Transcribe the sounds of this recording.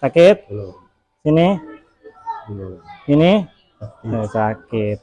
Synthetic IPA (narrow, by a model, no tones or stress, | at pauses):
sakɪt̪̚ | sini | sini | sakɪt̪̚